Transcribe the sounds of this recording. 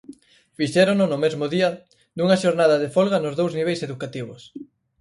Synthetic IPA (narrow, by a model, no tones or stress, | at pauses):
fiʃɛɾonʊnʊmezmʊðiɐ | d̪uŋɐʃoɾnaðɐðefolɣɐnʊzðowzniβejseðukat̪iβ̞ʊ̰s